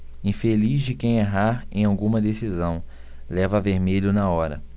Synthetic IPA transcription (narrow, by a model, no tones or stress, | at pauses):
ĩfelizd͡ʒɪkẽj̃eɦaɾẽj̃awɡũmɐd̪esizɐ̃w̃ | lɛvɐaveɾmeʎʊnɐɔɾɐ̰